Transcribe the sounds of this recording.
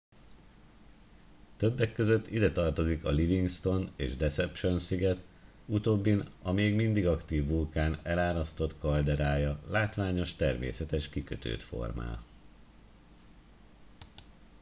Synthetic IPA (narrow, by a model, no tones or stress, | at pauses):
t̪ø̞bːɛkːø̞zø̞t̪ːid̪ɛt̪ɒrt̪o̞zikɒliviŋɡst̪o̞nḛːʒd̪ɛsɛpʃo̞nsiɡɛt̪ | ut̪oːbːinɒmeːɡmind̪iɡɒkt̪iːvːulkaːnɛlaːɾɒst̪o̞t̪kɒld̪ɛɾaːjɒlaːt̪ʋaːɲo̞ʃt̪ɛrmḛːsɛt̪ɛʃkikøt̪ø̰ːt̪fo̞̰rma̰ːl